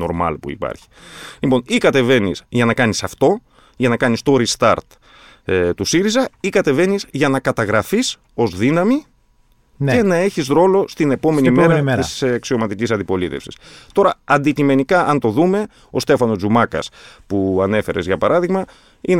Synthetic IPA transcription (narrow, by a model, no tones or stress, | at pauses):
no̞ɾmɐ̰lpṵḭpɐ̰ɾçi̥lipo̞nikɐt̪e̞ve̞nisʝɐnɐkɐnisɐft̪o̞ | ʝɐnɐkɐnist̪o̞ɾist̪ɐɾt̪ | t̪usiɾizɐikɐt̪e̞ve̞nizʝɐnɐkɐt̪ɐɣɾɐfis | o̞zðinɐmi | ne̞nɐe̞çisɾo̞lo̞st̪ine̞po̞me̞nimeɾɐisɐksio̞mɐt̪icis̬ɐnd̪ipo̞lit̪e̞̰fsi̥st̪o̞ɾɐɐnd̪icime̞nikɐʔɐnt̪o̞ðume̞ | o̞st̪e̞fɐno̞zzumɐkɐ̰spuɐne̞fe̞ɾe̞zʝɐpɐɾɐðiɣmɐ | in